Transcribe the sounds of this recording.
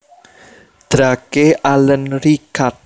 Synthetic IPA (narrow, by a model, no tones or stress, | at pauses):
d̪̥ɾakeʔalənɾikat̪̚